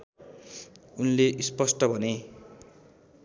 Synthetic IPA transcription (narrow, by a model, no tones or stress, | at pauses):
unleʔispʌsʈʌbʱʌne